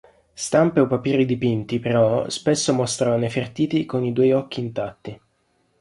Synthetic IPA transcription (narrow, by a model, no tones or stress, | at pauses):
st̪ampeovapiːɾid̪ipint̪ipeɾɔspesːomost̪ɾaanefert̪iːt̪ikonid̪ujɔk̟ːiːnt̪at̪ːi